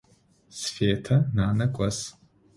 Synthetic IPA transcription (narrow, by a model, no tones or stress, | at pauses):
sfeːtʰɐnaːnɨkʷʼas